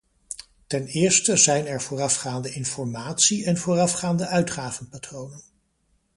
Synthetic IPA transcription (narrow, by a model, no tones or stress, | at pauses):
tɛnɪːɹstəzɛjnɛɹv̥ʊːrɑfχaːndəʔɪnfɔɹmaːtsiɛnvʊːrɑfχaːndəʔœɥtχaːvənpatrownən